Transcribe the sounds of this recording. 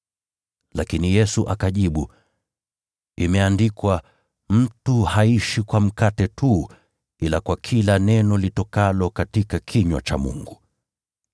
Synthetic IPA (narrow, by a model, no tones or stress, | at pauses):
lakinijɛsuʔakaʄiɓu | imɛandikwa | m̩tuhaiʃikwam̩katɛtʰu | ilakwakʰilanɛnɔlitɔkalɔkatikakʰiɲwa̰t͡ʃa̰mṵŋɡu